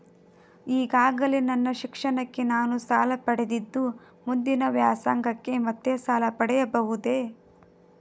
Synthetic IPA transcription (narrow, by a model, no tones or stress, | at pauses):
iːɡaːɡɐlenɐnːɐʃikʂɐɳɐkːe̞naːnusaːlɐpɐɽed̪id̪ːu | mund̪inɐʋjaːsaːŋɡʱɐkːe̞mɐt̪ːesaːlɐpɐɽɛjɐbɐʋud̪e̞